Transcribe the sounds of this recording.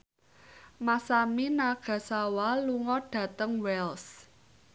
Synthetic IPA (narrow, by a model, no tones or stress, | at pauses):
masaminaɡ̥ä̤sawaluŋɔɖ̥ä̤t̪əŋwɛls